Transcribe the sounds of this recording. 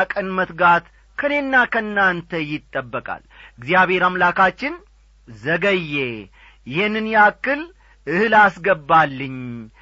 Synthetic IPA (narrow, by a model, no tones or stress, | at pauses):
kʼənmət̪ɡat̪ | kʰəne̞nːakʰənːant̪ʰəjɪt̪ʼːəbːəkʼa̰lɨɡzijaβhe̞ɾamlakʰat͡ʃːɪn | zəɡəjːe | jɪhenːɨnjakːɨl | ʔɨhɨlasɡəbːalːɨɲ